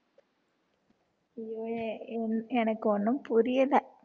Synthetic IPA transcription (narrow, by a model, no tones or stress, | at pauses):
ijoːenenɐkːonːumpuɾijɐla